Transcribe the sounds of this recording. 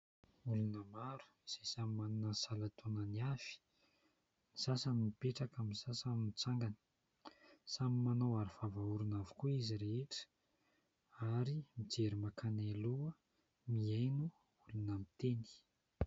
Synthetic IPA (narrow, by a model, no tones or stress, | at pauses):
ulunəmaɾu̥iz̥esamimanunəsalat̪onəniafi̥ | nisasanimipeʈ͡ʂakamisasanmit͡saŋɡani̥ | samimanowaɾuvavauɾunavu̥kuiziɾeeʈ͡ʂə̥ | aɾimid͡zeɾimakaneluə | miajnu | ulunəmit̪eni̥